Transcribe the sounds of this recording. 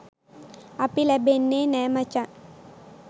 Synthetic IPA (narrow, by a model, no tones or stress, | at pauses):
ɐpilɐbenːeːnɛːmɐt͡ʃa